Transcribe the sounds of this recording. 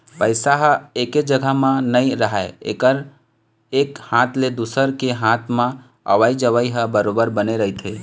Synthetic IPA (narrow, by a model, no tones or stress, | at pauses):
pəɪsaɦəeked͡ʒəɡʱəɦmãnəjɾəɦaeḛkəɾ | ekhãt̪ʰled̪usəɾkeɦãt̪ʰmã | ə̰ʋəid͡ʒəʋəiɦəbəɾobəɾbəneɾəɦit̪ʰɦe